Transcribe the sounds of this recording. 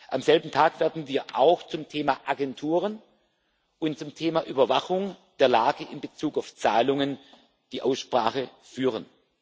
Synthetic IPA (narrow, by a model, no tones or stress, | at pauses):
ʔamzɛlbm̩tʰaːkv̥eːɐdn̩viːɐʔaʊxt͡sʊmtʰeːmaːʔaɡɛntʰuːʁ̞ən | ʔʊntt͡sʊmtʰeːmaːʔyːbɐvaxʊŋd̥eːɐlaːɡəʔɪnbət͡suːkaʊft͡saːlʊŋən | d̥iːʔaʊsʃpʁ̥aːxə | fyːʁən